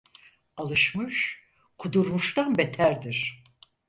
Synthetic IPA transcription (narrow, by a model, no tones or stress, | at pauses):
alˠɯʃmɯʃ | kʰud̪uɾmuʃt̪anbet̪ʰæɾd̪iɾ̥